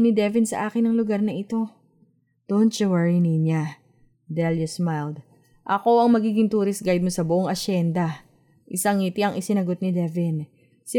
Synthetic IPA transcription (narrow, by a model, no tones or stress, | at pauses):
nɪd̪ɛvɪnsɐ̰ʔaːkɪnːɐŋlʊɡaɾnɐʔɪt̪o̞ | d̪̥ont̪t͡ʃʊwɛɹiniɲa | d̪ɛljosmajld̪̚ | ʔɐko̞ʔɐŋmɐɡiːɡɪŋt̪uːɾɪsɡajd̪̚mosɐbʊʔoŋʔɐʃɛnd̪ɐ | ʔɪsɐŋiːt̪iɐŋʔɪsɪnɐɡo̞t̪̚nɪd̪ɛvɪn | sɪ